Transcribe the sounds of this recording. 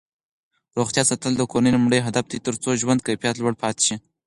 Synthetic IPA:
ɾoxt̪jɑsat̪əld̪əkoninumɽəjɦad̪afd̪it̪əɾt͡soʒwand̪̚kapijɑt̪lwaɽpʰɑt̪ʃi

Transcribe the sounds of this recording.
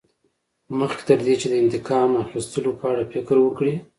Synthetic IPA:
məxke̥t̪əɾd̪et͡ʃed̪əɪnt̪ɪkɑmaxist̪əlopəaɽafɪkɾwəkɽi

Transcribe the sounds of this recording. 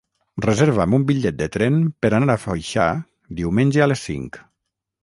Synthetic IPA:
rəzeɾβamumbiʎɛt̪̚d̪ət̪ɾɛmpəɾanaɾafajʃa̰ | d̪iwmenʲʒəalesːḭŋk

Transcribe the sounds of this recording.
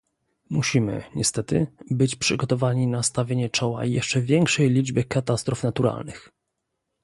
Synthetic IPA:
muɕimɘ̰ɲɛst̪ɛt̪ɘbɘt͡ɕpʂɘɡɔt̪ɔvaɲinast̪avʲjeɲɛt͡ʂɔwa̰jɛʂt͡ʂɛvʲjɛŋkʂɛjlʲid͡ʐbɘkat̪ast̪ɾufnat̪uɾa̰lnɘx

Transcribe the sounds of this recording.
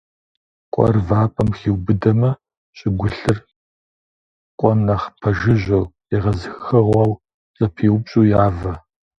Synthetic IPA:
kʷʼɔ̰rvaːpʼɐmxiːwbɨdɐmɐ | ɕʼɪɡʷʊɬɨr | kʷʼɔmnɐχpʰɐʒɪʑɐw | iʁɐzɨxxɐʁʷɑw | ɕʼɐpʰiːwbɕʼuːjaːvɐ

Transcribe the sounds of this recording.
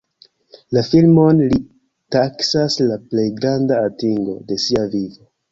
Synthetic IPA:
lafilmo̞nli | taksaslaple̞jɡɾandaːtiŋɡo̞̰de̞siavivo

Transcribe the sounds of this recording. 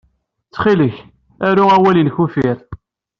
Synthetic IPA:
t͡sːχiləç | æɾuæwælinçufiɾ

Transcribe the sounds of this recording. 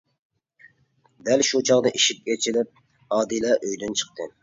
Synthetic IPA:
d̪ɛlʃut͡ʃʰɑʁd̪ɨʔiʃip̚kʲet͡ʃʰilɪp̚ | ɑːd̪ilɛʔøjd̪ynt͡ʃʰə̥qt̪ʰɨ

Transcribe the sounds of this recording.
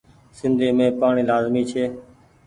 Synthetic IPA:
sɪnd̪ʱeːmẽːpaːɳiːlaːzmiːt͡ʃʰeː

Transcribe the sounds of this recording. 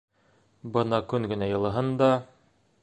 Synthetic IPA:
bɤnɑkɵŋɡɘ̆næjɤ̆lˠɤ̆ɦɤnd̪ɑ

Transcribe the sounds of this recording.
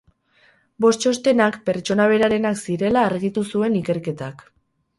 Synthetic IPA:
bo̞st͡ʃo̞st̪e̞nakpe̞ɾt͡ʃo̞naβe̞ɾaɾe̞naksiɾe̞laːɾɣit̪usue̞nike̞ɾke̞t̪ak

